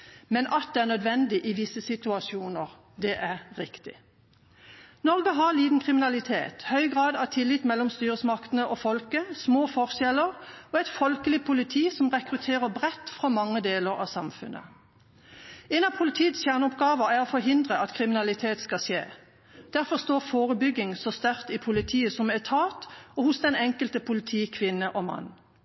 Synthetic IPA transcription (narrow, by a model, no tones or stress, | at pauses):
mɛnʔɑt̪̚d̪ɛæʁnœd̪ʋɛnd̪ɪʔɪʋɪsəsɪt̪ʉɑsjuːnəʁ | d̪ɛʔæʁːɪkt̪ɪ̰ | nɔʁɡəɦɑliːd̪n̩kʰʁɪmɪnɑlɪt̪ʰḛːt̪hœʏɡʁɑːd̪ɑt̪ʰɪlːɪt̪mɛlːɔmst̪yːʁəsmɑkt̪ənəʔofɔlkəsmoːfɔʁʃjɛləʁɔɛt̪fɔlkəlɪpʰʊlɪt̪ʰiːsɔmʁɛkʁʉt̪ʰeːʁəbʁɛt̪ːfʁɑmɑŋːəd̪eːləʁɑ̰ːʋsɑmfʉ̰nʔə̰ | ɛnɑpʰʊlɪt̪ʰiːət̪sæʁnɔpɡɑːʋəʁæʁɔfɔʁɦɪnd̪ʁəʔɑt̪kʰʁɪmɪnɑlɪt̪ʰeːt̪skɑsjḛː | d̪̥æʁfɔʁst̪oːʁfoːʁəbʏɡɪŋsɔst̪æʁt̪ɪpʰʊlɪt̪ʰiːəsɔmɛt̪ʰɑːt̪ɔhʊsd̪ɛnɛŋkəlt̪əpʰʊlɪt̪ʰiːkʰʋɪnːəʔɔmɑ̰nː